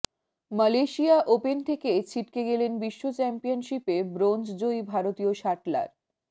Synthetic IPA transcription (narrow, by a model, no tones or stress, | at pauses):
məleʃijaʔopent̪ʰeket͡ɕʰiʈkeɡelenbiʃːot͡ɕɛmpijonʃipebɾond͡ʑd͡ʑoijbʱaɾot̪ioʃaʈla̰ɾ